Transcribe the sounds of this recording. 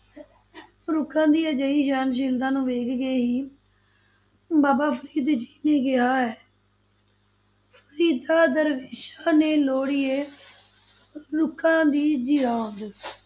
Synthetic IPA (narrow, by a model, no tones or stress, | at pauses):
ɾʊkʰːãːd̪iːəd͡ʒəiːd͡ʒaːnʃ̬ɪld̪ãːnũːʋeːkɡeːɦiː | baːbaːpʰəɾiːd̪d͡ʒiːneːɡɪɦaːɦɛː | pʰəɾiːd̪aːd̪əɾʋeːʃaːneːloːɽiːeː | ɾʊkʰãːd̪iːd͡ʒɪɾãːnd̪